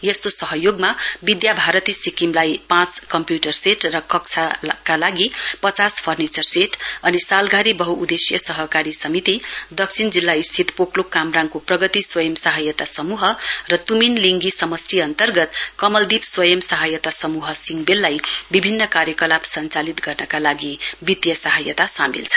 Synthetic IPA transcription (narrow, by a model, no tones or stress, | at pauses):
jest̪osʌɦʌjoɡmabid̪jabʱaɾʌt̪isikimlajpãt͡skʌmpjuʈʌrseʈrʌkʌkt͡sʰakalaɡipʌt͡saspʰʌrnit͡sʌrseʈʌnisalɡʱaɾibʌɦuːd̪esjʌsʌɦʌkaɾisʌmit̪id̪ʌk̚t͡sʰind͡zilːaist̪ʰit̪poklokamraŋkoprʌɡʌt̪iswʌjʌmsaɦajʌt̪asʌmuɦʌrʌt̪uminliŋɡisʌmʌsriʌnt̪ʌrɡʌt̪kʌmʌld̪ibswʌjʌmsaɦajʌt̪asʌmuɦʌsiŋɡbelːajbibʱinːʌkaɾjʌkʌlabsʌnt͡salit̪ɡʌrnʌkalaɡibit̪jʌsaɦʌjʌt̪asamḭlt͡sʰʌ̥